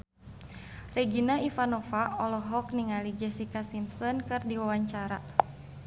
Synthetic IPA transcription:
rɛɡinaifanɔfaɔlɔɦɔkniŋalid͡ʒɛsikasinsɔnkɨrdiwawaɲt͡ʃaɾa̰

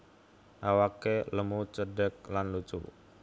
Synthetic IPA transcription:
ʔawakeləmut͡ʃədək̚lanlut͡ʃṵ

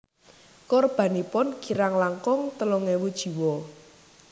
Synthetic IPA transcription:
kɔrb̥a̤nipʊnɡ̥i̤ɾaŋlaŋkɔŋt̪əlɔŋewud̥ʒ̥i̤wɔ

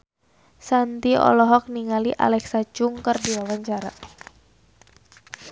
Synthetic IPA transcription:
sant̪iɔ̰lɔɦɔk̚niŋaliʔa̰lɛksat͡ʃuŋkərdiwawaɲt͡ʃaɾa

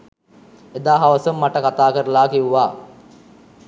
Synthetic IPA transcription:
ed̪aːɦaʋəsəmːaʈəkat̪aːkəɾəlaːkiʋuʋaː

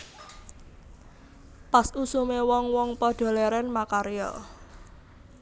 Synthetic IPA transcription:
pasusumewɔŋwɔŋpɔɖ̪̥o̤leɾɛnmakaɾjɔ̰

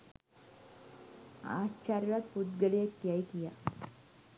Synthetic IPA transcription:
a̰t͡ɕaɾjʋat̪̚put̪ɡəɭiət̪ːjaik̪ija̰

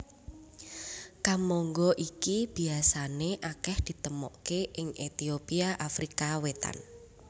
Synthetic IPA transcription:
kamɔŋɡɔʔikib̥i̤asaneʔakɛhd̪̥i̤t̪əmɔ̰ʔkeʔɪŋʔet̪iopiaʔafɾikawet̪a̰n

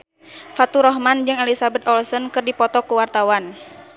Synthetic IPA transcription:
fat̪uɾɔɦmand͡ʒɨŋalisabɛt̪ɔlsɔnkɨrdipɔt̪ɔkuwart̪awan

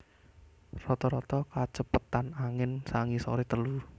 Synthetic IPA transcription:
rɔt̪ɔɾɔt̪ɔkat͡ʃəpət̪anaŋɪnsaŋisɔ̰ɾit̪əlu

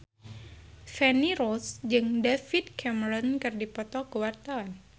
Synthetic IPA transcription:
fɛniɾɔsd͡ʒɨŋdafit̪̚kʰɛməɾɔnkɨrdipɔt̪ɔkəwart̪awan

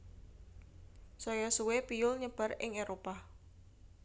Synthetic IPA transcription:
sɔjɔsuwepijʊlɲəb̥a̤rɪ̰ŋeɾopa

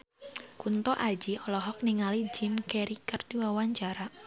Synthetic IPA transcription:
kunt̪ɔʔad͡ʒiɔlɔɦɔk̚niŋalid͡ʒimkɛɾikərd̪iwawaɲt͡ʃaɾa

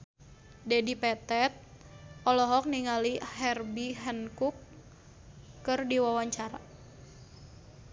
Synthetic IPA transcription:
dɛdipɛt̪ɛt̪̚ | ɔlɔɦɔk̚niŋaliɦɛrbiɦɛnkuk | ɨrdiwawaɲt͡ʃaɾa

